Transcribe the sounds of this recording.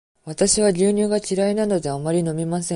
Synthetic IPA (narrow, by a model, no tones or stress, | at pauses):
βat̪aɕiβaɾʲɨːɲ̟ɨːɡat͡ɕiɾainano̞d̪e̞amaɾʲino̞mʲimasẽ̞